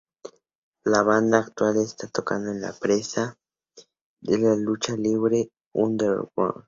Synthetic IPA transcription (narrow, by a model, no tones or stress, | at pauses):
laβand̪aːkt̪walest̪at̪okand̪oenla̰pɾesa | d̪elalut͡ʃaliβɾe | und̪eo̰ka̰